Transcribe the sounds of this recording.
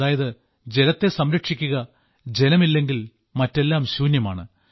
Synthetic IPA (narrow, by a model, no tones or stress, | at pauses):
aːjɐðɨ | d͡ʑe̞nɐt̪ːe̞sɐmɾɐkʂikʲːuɣɐ | d͡ʑe̞nɐmilːe̞ŋɡil | mɐtːe̞lːaːmɕuːnjɐma̰ːɳɨ